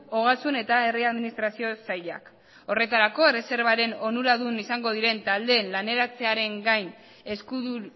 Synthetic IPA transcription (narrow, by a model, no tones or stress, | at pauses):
o̞ɣ̞asune̞t̪ae̞riaðminist̪ɾasiosaʎa̰k | o̞re̞t̪aɾako̞ere̞se̞ɾβaɾe̞no̞nuɾaðunisaŋɡo̞ð̞iɾe̞nt̪ald̪e̞ːnlane̞ɾat͡se̞aɾe̞ŋɡajn | e̞skuðu